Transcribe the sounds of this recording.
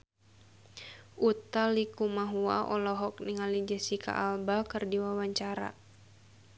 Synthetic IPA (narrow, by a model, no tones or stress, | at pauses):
ʔut̪alikumaɦua̰ɔlɔɦɔk̚niŋalid͡ʒɛsika̰ʔalbakɨrdiwawaɲt͡ʃaɾa̰